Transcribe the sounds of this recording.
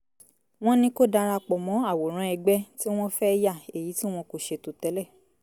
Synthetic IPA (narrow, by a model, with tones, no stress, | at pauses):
w̃ɔ̃˦nĩ˧ko˦da˧ɾa˧k͡pɔ˨mɔ̃˨˦a˦˨wo˨ɾ̃ã˨˧˦ɛ˧ɡ͡bɛ˦ti˦w̃ɔ̃˦fɛ˦˧ja˦˨e˨ji˨˦ti˦w̃ɔ̃˧ko˧˨ʃe˧tu˨tɛ˨˦lɛ˦˨